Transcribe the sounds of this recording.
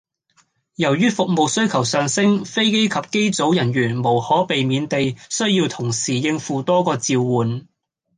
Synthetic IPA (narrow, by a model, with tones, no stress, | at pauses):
jɐ˨˩wjyː˥fʊ˨k̚mo˨˧wsɵ˥ɥkʰɐ˨˩wsœː˨ŋsɪ˥ŋfe˥jke˥jkʰɐ˨p̚ke˥jt͡so˨˥wjɐ˨˩njyː˨˩nmo˨˩whɔː˨˥pe˨jmiː˨˧nt̪e˨jsɵ˥ɥjiː˧wt̪ʰʊ˨˩ŋsiː˨˩jɪ˧ŋfuː˨˧t̪ɔː˥kɔː˧t͡siː˧wwuː˨n